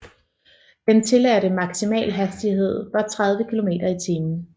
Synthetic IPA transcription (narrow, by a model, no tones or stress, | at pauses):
d̥ent͡sʰe̝læɾəmɑ̈ɡ̥simɛ̰ːlɦæsd̥iɦe̝ð̞̰ˠʋɑ̈t͡sʰʁað̞ˠʋəkʰilo̝me̝̰ːd̥ɐit͡sʰiːmn̩